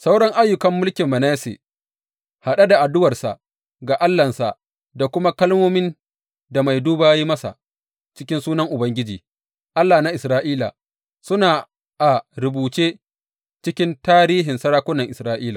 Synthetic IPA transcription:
sa˦wɽɔ˦ŋʔa˦jːʊ˨kɐ˦mːʊ˦lkʲɪ˨mːɐ˨naː˦sḛː˨ | ha˨ɗa˦da˨ʔa˨dʊ˦wɐ˨rsa̰˨ʔ | ɡaː˨ʔa˦lːɐ˨nsa˨ʔ | da˨kʷʊ˦ma˦kɐ˦lmoː˦mɪ˦n | da˨ma˨jduː˦baː˨ji˦mɐ˦sa̰˨ | t͡ʃɪ˦kʲɪ˦nsuː˦nɐ˦ŋʔʊ˨bɐ˦ŋɡʲɪ˦d͡ʒiː˨ | ʔa˦lːaː˨na˦ʔɪ˨sɾaː˦ʔiː˦la̰˨ | sʊ˦naː˨ | ʔa˨ɾʊ˨buː˨t͡ʃeː˦ | t͡ʃɪ˦kʲɪ˦ntaː˦ɾiː˦ɦɪ˨nsɐ˦ɽaː˦kʷʊ˦nɐ˨ŋʔɪ˨sɾaː˦ʔiː˦la˨

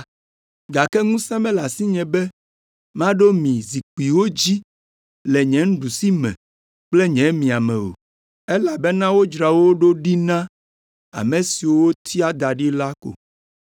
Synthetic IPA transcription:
ɡa˨kɛ˦ŋũ˦sɛ̃˦mɛ̃˦la˨si˦ɲɛ̃˨bɛ˦ | m˦ã˦ɖo˦mĩ˨zi˨k͡pi˨wo˦d͡ʑi˦ | lɛ˨ɲɛ̃˨˦ŋ̩̃˦ɖu˨si˦mɛ̰̃˨ | k͡ple˦ɲɛ̃˨˦mĩ˨a˨mɛ̃˨wo̰˨ | ɛ˦la˨bɛ˦nã˦wo˦d͡ʒɾa˨wo˦ɖo˦ɖi˦nã˦ | a̰˨mẽ˨si˨wo˦wo˦t̪ʰi˦a˦d̪a˨ɖi˦la˦ko̰˨

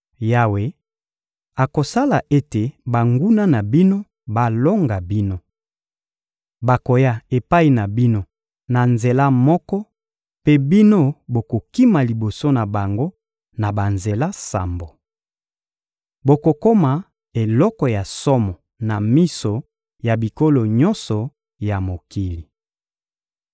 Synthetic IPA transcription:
ja˦we˦ | a˨ko˨sa˦la˨ʔe˦te˨ba˨ŋɡu˦na˦na˨bi˦no˦ | ba˨lo˦ŋɡa˨bi˦no˦ | ba˨ko˨ja˦e˨pa˦i˨na˨bi˦no˦ | na˨nze˨la˦mɔ˦kɔ˦ | pe˦bi˦no˦bo˨ko˨ki˦ma˨li˨bo˨so˦na˨ba˨ŋɡo˦ | na˨ba˨nze˨la˦sa̰˨mbo˨ | bo˨ko˨ko˦ma˨ | e˨lɔ˦kɔ˨ja˨sɔ˦mɔ˨ | na˨mi˦so˨ | ja˨bi˨ko˦lo˨ɲɔ̃˦nsɔ˨ | ja˨mo˨ki˨li˨

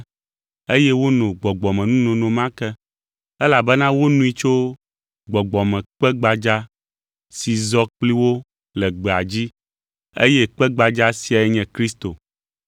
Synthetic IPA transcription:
e˦jɛ˦wo˦nõ˨ɡ͡bɔ˨ɡ͡bɔ˨mɛ̃˨nũ˦nõ˨nõ˨mã˦kɛ˦ | ɛ˦la˨bɛ˦nã˦wo˦nũ˦i˦t͡ʃo˦ | ɡ͡bɔ˨ɡ͡bɔ˨mɛ̃˨k͡pɛ˦ɡ͡ba˨d͡ʒa˦ | si˨zɔ˦k͡pli˦wo˦ | lɛ˨ɡ͡bɛ˨a˨d͡ʑi˦ | ḛ˦jɛ˦k͡pɛ˦ɡ͡ba˨d͡ʒa˦si˨a˨ɛ˦ɲɛ̃˨kɾi˦st̪o˨

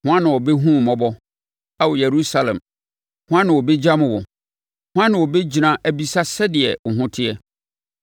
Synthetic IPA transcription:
hʊ̃˦ã˦nɪ̃˨wɔ˨bɛ˦ɦũ˦˨mɔ̃˦bɔ˦ | a˦wɔ˨jɛ˨ɾu˦sa˨lɛ̰̃˨m | hʊ̃˦ã˦nɪ̃˨wɔ˨bɛ˦d͡ʑa˦mʊ̃˨wɔ˨ | hʊ̃˦ã˦nɪ̃˨wɔ˨bɛ˦d͡ʑi˨nã˨ʔæ˨bi˦sa˦sɛ˦dɪ˨ɛ̰˨ŋ̩˨ɦʊ̃˦tʰɪ˦ɛ˦

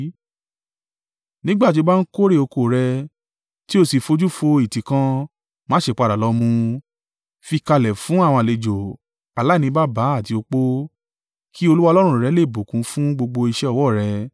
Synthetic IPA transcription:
nĩ˦ɡ͡ba˦˨t̬i˧˦ba˦n̩˦ko˦ɾe˦˨o˧ko˧˨ɾɛ˧ | ti˦o˦˧˨si˨fo˧d͡ʒu˦fo˧i˨tĩ˨kã˧ | mãː˦ʃe˧˨k͡pa˧ɾa˨lɔ˧˦mũ˧ | fi˧ka˧lɛ˨fũ˨˦a˦˨w̃ɔ̃˧a˨le˨d͡ʒo˨ | a˨la˨˦˨nĩ˧˦ba˦ba˨˦a˦˨ti˨˧o˧k͡po˦ | kʰi˦o˧lu˦wa˧lɔ˦ɾ̃ũ˧˨ɾɛ˧˦le˦˨bo˨kũ˨˦fũ˦ɡ͡bo˧ɡ͡bo˧i˧ʃɛ˦ɔ˧wɔ˦˨ɾɛ˧

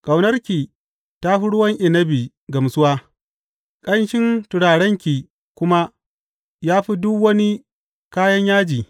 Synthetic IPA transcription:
kʼa˨wnɐ˦rkʲi˨ | ta˦ɸi˦ɽʊ˦wɐ˦ŋʔɪ˨nɐ˦bi˨ | ɡɐ˨msʊ˦waː˦ | kʼɐ˦nʃɪ˦ntʊ˨ɽaː˨ɽɛ˦ŋkʲi˨ | kʷʊ˦ma˦ | jaː˦ɸi˦dʊ˦kwɐ˦ni˦ | kaː˦jɐ˦ɲjaː˦d͡ʒiː˨

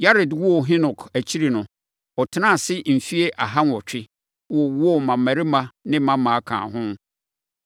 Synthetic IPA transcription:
ja˦ɾɪ˨dwɔ˦˨ɦɪ̃˦nʊ̃˨kʰæ˨t͡ɕʰi˦ɾi˨nʊ̃˨ | ɔ˨tʰɪ˦nã˦˨sɪ˦m̩˨fi˦e˦ʔa˨ɦa˦n˨ɔ˨t͡ɕᶣɪ˦ | wɔ˦wɔ˦˨mã˨mmæ˨ɾɪ˦mã˦nɪ̃˦mã˦mã˨a˦kʰã̰ː˨ɦʊ̃˦

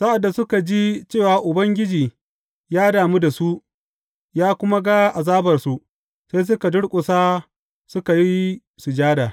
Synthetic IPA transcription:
sa˦ʔa˨dːa˨sʊ˦ka˨d͡ʒi˦t͡ʃeː˦˨waː˨ʔʊ˨bɐ˦ŋɡʲɪ˦d͡ʒiː˨ | jaː˦daː˨mu˦da˨su˦ʔ | jaː˦kʷʊ˦ma˦ɡa˦ʔa˨zaː˦bɐ˨rsu˨ʔ | se˦js̬ʊ˦ka˨dʊ˦ɽkʷʼʊ˨saː˦ | sʊ˦ka˨ji˦i˦ | su˨d͡ʒaː˦daː˨

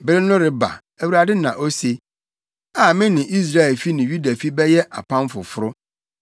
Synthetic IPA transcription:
bɪ˦ɾɪ˦nʊ̃˦ɾɪ˨ba̰˨ | æ˨wu˨a˨dɪ˦nã˨ʔo˦se˨ | a˨mɪ̃˦nɪ̃˨ʔi˦s̬ɾa˦ɛ˨lfi˦nɪ̃˨ɥu˦da˨fi˦bɛ˦jɛ˦ʔa̰˨pʰã˦mfʊ˨fʊ˦ɾʊ˦

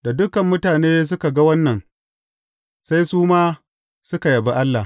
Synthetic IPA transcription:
da˨dʊ˦kɐ˨mːʊ˦taː˨neː˦s̬ʊ˦ka˨ɡa˦wɐ˦nːɐ˨n | sa˦jsuː˦maː˦ | sʊ˦ka˨jɐ˨ba˦ʔa˦lːa˨

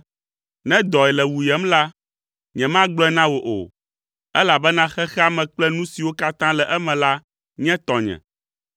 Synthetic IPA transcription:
nɛ̃˦d̪ɔ˨ɛ˨lɛ˨wu˨jɛ˦mla˦ | ɲɛ̃˨mã˦ɡ͡blɔ˦ɛ˦nã˦wo˨ʔo̰˨ | ɛ˦la˨bɛ˦nã˦xɛ˦xɛ˦a˦mɛ̃˨k͡plɛ˦nũ˦si˨wo˦ka˦t̪ã˦lɛ˨ʔɛ˦mɛ̃˨la˦ | ɲɛ̃˦t̪ɔ˨ɲɛ̰̃˨

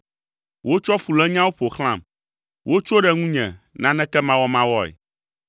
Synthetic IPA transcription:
wo˦t͡ʃɔ˦fu˨lɛ˦ɲã˦wo˦ɸo˨xl̃ã̰˨m | wʔo˦t͡ʃo˦ɖɛ˨ŋũ˦ɲɛ̰̃˨ | nã˦nɛ̃˦kɛ˦mã˦wɔ˦mã˦wɔ˦ɛ̰˨

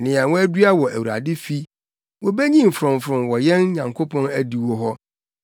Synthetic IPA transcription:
nɪ̃˨a˨wɔ̃˦æ˦dɥa˦wɔ˨ʔæ˨wu˨a̰˨dɪ˦fi˦ | wɔ˨bɛ˦ɲĩ˦m̩˨fɾʊ̃˨mfɾʊ̃˨mwɔ˨jɛ̃˦n˦ɲã˨ŋkʰo˦pʰɔ̃˦næ˦di˨wɔ˦ɦɔ˦

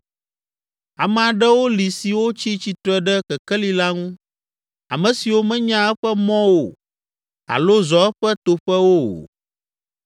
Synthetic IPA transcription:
a˨mɛ̃˨a˨ɖɛ˦wo˦li˨si˨wo˦t͡ɕi˦t͡ɕi˨t̪ɾɛ˦ɖɛ˦kɛ˨kɛ˦li˦la˦ŋũ˦ | a̰˨mɛ̃˨si˨wo˦mɛ̃˦ɲã˦ɛ˦ɸɛ˦mɔ̃˦wo̰˨ | a̰˨lo˦zɔ˨ɛ˦ɸɛ˦t̪o˨ɸɛ˦wo̰˦˨

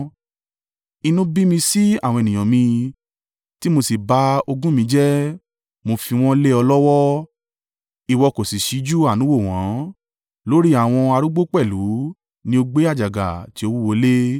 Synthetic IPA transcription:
i˧nũ˦bi˦mĩ˧si˦a˦˨w̃ɔ̃˧e˨nĩ˨ã˨mĩ˧ | ti˦mo˧si˨ba˨˦o˧ɡũ˦mĩ˧˦d͡ʒɛ˦ | mo˧fi˧w̃ɔ̃˦le˦ɔ˧lɔ˦wɔ˦ | i˨wɔ˧ko˨si˨ʃi˨˦d͡ʒu˦a˦˨nũ˨˦wo˦˨w̃ɔ̃˨˦ | lo˦ɾi˦a˦˨w̃ɔ̃˧a˧ɾu˦ɡ͡bo˦k͡pɛ˦˨lu˨˦ | nĩ˦o˧ɡ͡be˦a˦˨d͡ʒa˨ɡa̰˨ti˨˦o˧wu˦wo˧le˦

